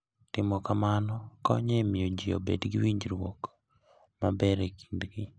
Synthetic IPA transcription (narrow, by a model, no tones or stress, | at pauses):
tɪmɔkamanɔkɔ̰ɲemɪod͡ʒio̰bḛdɡɪwiɲd͡ʒɾwok | mabɛɾeki̥ndɡi